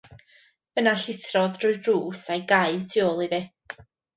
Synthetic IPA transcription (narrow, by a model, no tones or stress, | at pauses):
ənaɬɪθrɔðd̥rʊjdruːsajɡajtʰɪɔlˠiðɪ